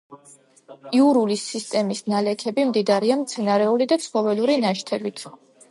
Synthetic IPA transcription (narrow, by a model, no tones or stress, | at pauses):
iuɾulisːist̪ʼɛmisnalɛkʰɛbimd̪id̪aɾiamt̪sʰɛnaɾɛulid̪apsχɔvɛluɾinaʃt̪ʰɛbit̪ʰ